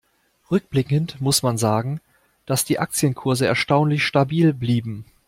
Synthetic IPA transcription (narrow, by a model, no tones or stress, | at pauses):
ʁʏk̚b̥lɪkəntmʊsmanzaːɡŋ̩ | d̥asd̥iːʔak̚t͡sjənkʰʊɐzəɛ̰ɐʃtaʊnlɪçʃtabiːlbliːbm̩